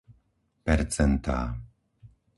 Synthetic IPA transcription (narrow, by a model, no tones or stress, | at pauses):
pɛɾt͡sɛnt̪a̰ː